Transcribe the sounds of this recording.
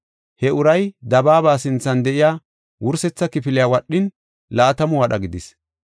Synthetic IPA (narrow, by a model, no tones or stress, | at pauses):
hɛʊɾɐjd̪ɐbaːbaːsɪnt͡sːɐnd̪ɛʔɪjaː | wʊɾsɛt͡sːɐkɪfɪlɪjaːwɐɗːɪn | laːt̪ɐmʊwɐɗɐɡɪd̪ɪs